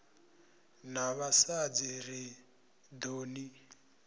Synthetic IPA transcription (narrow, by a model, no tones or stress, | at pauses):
naβasad͡ziri | d̪oːni